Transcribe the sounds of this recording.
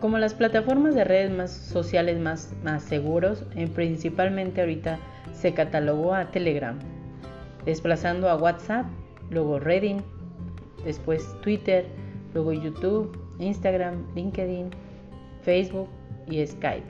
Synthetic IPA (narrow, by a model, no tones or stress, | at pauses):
ko̞mo̞lasplat̪afo̞ɾmazðereðezmasːo̞sjale̞zmasmasːeɣuɾo̞sempɾinsipalmẽnt̪eaoɾit̪a | se̞kat̪aloɣoat̪eleɣɾa̰m | d̪e̞splasand̪oaɣwat̪sap̚ | lweɣoreðin | d̪e̞spwe̞st̪wit̪eɾlwe̞ɣoʝut̪uβinst̪aɣɾamliŋkeðin | fejzβuk̚ | ieska̰jp